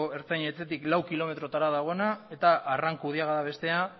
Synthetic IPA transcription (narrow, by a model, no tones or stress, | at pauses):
e̞ɾt͡sajɲe̞t͡se̞t̪iklawkilo̞me̞t̪ɾo̞t̪aɾaðaɣ̞o̞nae̞t̪aʔːraŋkuð̞iaɣaðaβ̞e̞st̪e̞a